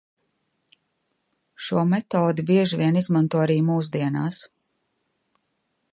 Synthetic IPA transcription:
ʃuɔmɛt̪ɔːd̪ibiɛʒivʲiɛnizmant̪uɔaɾiːmuːsd̪iɛnaːs

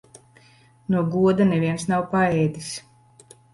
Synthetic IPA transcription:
nuɔɡuɔd̪aneviɛnsnawpaɛːd̪ʲis

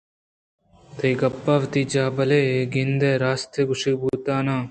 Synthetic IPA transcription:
t̪ʰɐjɡɐpːaːʋt̪id͡ʒaːbɐleːɡind̪eːɾaːst̪eɡuʂibuːt̪aːnaː

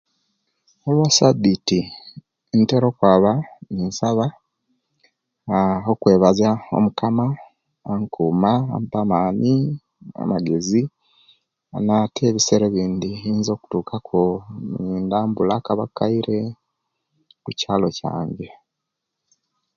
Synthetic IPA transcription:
olwasaditi | nteɾo̞kwaːβaninsaβa | okwe̞ːβazao̞̰mukamaː | ŋkuːma̰mpamaːni | a̰maɡe̞zi | anatʰe̞ːβiseɾeβiːndiiːnzo̞ːku̥tuːkakʰo̞niːndaːmbulakaβakːaiɾe̞ | kucaːlo̞ca̰ːɲɟe̞

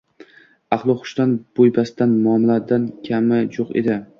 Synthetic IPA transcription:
ɑχlˠɨχʊ̥ʃt̪anb̥ojbasd̪anmɒmlad̪ankʲʰamɪjoqḛd̪ɪ

